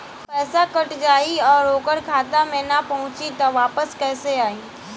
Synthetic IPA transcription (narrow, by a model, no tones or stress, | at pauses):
pɛːsakəʈd͡ʒaːiɔːɾoːkəɾkʰaːt̪amẽːnapɐɦʊ̃t͡ʃit̪ɔʋaːpəskɛːseaːiː